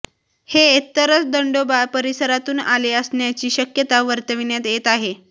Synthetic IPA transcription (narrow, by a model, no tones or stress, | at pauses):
heet̪ːəɾət͡sd̪əɳɖobapəɾisəɾat̪uːnaleəsɳjat͡ɕiːɕəkjət̪aʋəɾt̪əʋinjat̪jet̪aɦe